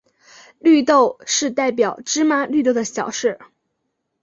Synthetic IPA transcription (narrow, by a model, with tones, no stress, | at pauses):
ly˥˧t̪o˥˧ʊʂɻ̩˥˧t̪a˥˩ɪp̬jɑ˨˩ʊʈ͡ʂɻ̩˥ma˥ly˥˧t̪̬o˥˩ʊd̪ə˩ɕjɑ˨˩ʊʂɻ̩˥˩